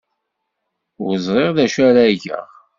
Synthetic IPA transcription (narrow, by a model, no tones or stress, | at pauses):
wzˤʁˤeʁðæʃæɾæʝə̰ʁ